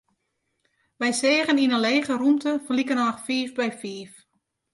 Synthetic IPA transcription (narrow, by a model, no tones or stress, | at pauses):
ʋɛjseːɣəninəleːɣərumtəfrlikənaxfiːfbɛjfiːf